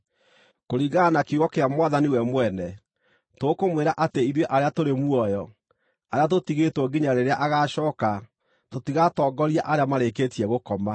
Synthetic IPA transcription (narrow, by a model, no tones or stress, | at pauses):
koɾiɣanakuɣɔkeamwaðaniwɛmwɛnɛ | tokomweɾaʔateiɾweʔaɾeatoɾemuɔjɔ | aɾeat̬otiɣetwɔɡiɲaɾeɾeaʔaɣaɕɔːka | totiɣatɔːɡɔɾiaʔaɾeamaɾeketiɛɣokɔma